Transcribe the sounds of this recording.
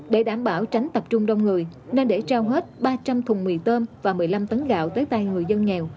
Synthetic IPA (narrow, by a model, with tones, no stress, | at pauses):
ɗe˧˩ɗaː˧˩mɓaː˧˩wt͡ɕa˨˦jŋ̟t̪ə˨˩p̚t͡ɕʊ˧ŋ͡mɗə˧wŋ͡mŋɨ˨˩əjne˧nɗe˧˩t͡ɕaː˧wɦe˦˥t̚ɓaː˧t͡ɕa˧mt̪ʰʊ˨˩ŋ͡mmḭ˧˨˩ət̪əː˧mvaː˨˩mɨ˨˩əjla˧mt̪ə˨˦nɣa̰ː˧˨wt̪əː˨˦jt̪a˧jŋɨ˨˩əjzə˧nŋɛ˨˩w